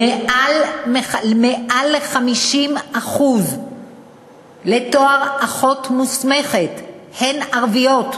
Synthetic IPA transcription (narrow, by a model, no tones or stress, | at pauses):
ealmemeʔaleχamiʃimaχuz | le̞to̞aʁaχo̞tmusme̞χethenaʁvijo̞t